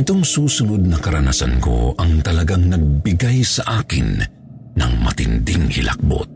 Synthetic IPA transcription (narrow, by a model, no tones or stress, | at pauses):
ɪt̪o̞ŋsuːsʊnod̪̚nɐkɐɾɐnasɐ̰nko̞̰ʔɐŋt̪ɐlɐɡaŋnɐɡ̚bɪɡajsɐʔaːkɪnː | ɐŋmɐt̪ɪnd̪ɪŋhɪ̰lʔɐ̰k̚bo̰t̪̚